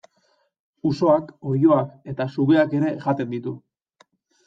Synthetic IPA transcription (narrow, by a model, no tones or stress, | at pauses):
uso̞ako̞jo̞ake̞t̪asuɣe̞ake̞ɾe̞ʝat̪e̞nd̪it̪u